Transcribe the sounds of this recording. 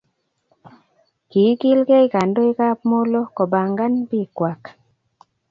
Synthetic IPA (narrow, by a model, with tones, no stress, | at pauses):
ki˨˦ki˦lɡe˦i˨ka˨ndo˦i˦ka˦pmo˦lo˦kɔ˨ba˨ŋɡa˦npi˦kwa˨k